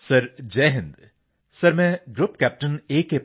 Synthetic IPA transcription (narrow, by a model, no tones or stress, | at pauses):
sɐɾd͡ʒɛːɦɪ̃nd̪ | sɐɾmɛ̃ɡɾupkæːp̚ʈəneːke